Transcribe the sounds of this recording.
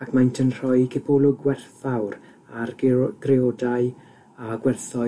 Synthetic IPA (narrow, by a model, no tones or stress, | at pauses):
akʰmajntʰənr̥ɔjkʰɪpʰɔlʊɡwɛrθawr | arɡ̥reɔdaɨ | aɡwɛrθɔ